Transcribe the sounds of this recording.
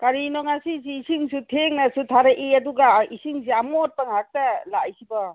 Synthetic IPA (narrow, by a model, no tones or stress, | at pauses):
kaɾinɔŋasis̬iːsiŋsutʰeŋnasutʰaɾɐʔiaduɡaisiŋs̬iamɔt̚paŋɦak̚talajsiba